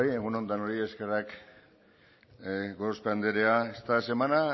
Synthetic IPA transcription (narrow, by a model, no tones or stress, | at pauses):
jeɣuno̞nt̪ano̞ɾie̞skerak | ɡoɾspeand̪eɾeaest̪ase̞mana